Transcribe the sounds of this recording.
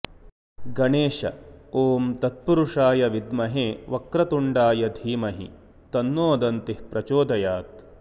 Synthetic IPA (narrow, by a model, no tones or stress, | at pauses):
ɡɐɳeːʃɐ̰oːmt̪ɐt̪̚puɾuʂaːjɐʋid̪mɐɦeːʋɐkɾɐt̪uɳɖaːjɐd̪ʱiːmɐɦḭ | t̪ɐnːoːd̪ɐnt̪ihpɾɐt͡ʃoːd̪ɐjaːt̪̚